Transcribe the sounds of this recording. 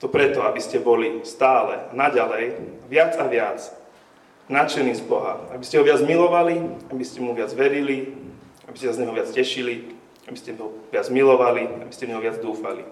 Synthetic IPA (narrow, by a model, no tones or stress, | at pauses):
t̪ɔpɾɛt̪ɔabiscɛbɔlist̪aːlɛanaɟalɛjʋɪad͡zaʋɪat͡s | nat͡ʃɛniːzbɔɦa̰abiscɛɦɔʋɪad͡zmilɔʋaliabiscɛmuʋɪad͡zʋɛɾili | abiscɛsazɲɛɦɔʋɪat͡scɛʃili | abiscɛɔʋɪad͡zmilɔʋaliabiscɛvɲɛɦɔʋɪad͡zd̪uːfalḭ